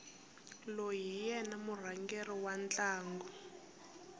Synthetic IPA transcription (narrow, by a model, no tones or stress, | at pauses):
loɦijɛnamur̤aŋɡeriwant͡ɬaːŋɡɔ